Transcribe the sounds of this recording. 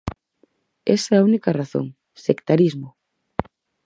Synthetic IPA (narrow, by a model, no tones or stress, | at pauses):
esɐːunikɐraθo̰ŋ | sekt̪aɾizmʊ